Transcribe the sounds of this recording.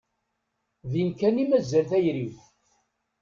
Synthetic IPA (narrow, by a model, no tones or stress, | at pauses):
ðinkænimæzːælθæjɾiv